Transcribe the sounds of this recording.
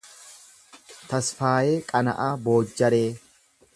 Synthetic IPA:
t̪ɐsfaːjeːkʼɐnɐ̰ʔaːbo̞ːd͡ʒːɐɾeː

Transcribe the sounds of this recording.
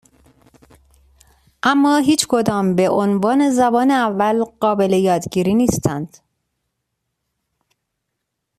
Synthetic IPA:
ʔæmːɒːɦiːt͡ʃkʰod̪ɒːmbe̞ʔonvɒːne̞zæbɒːneævːælɢ̥ɒːbe̞lejɒːd̪ɟiːɾiːniːst̪ʰænd̪̥

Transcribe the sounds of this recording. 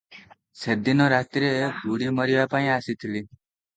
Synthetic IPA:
sed̪inɔɾat̪ɾeɡʱuɽimʌɾiʋapaĩasit̪ʰili

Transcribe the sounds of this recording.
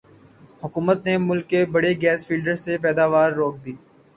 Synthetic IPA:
hʊkuːmət̪nemʊlkːebɐɽeɡɛːsfʰiːlɖəɾsep̬ɛːd̪aːʋaːɾːoːk̚d̪iː

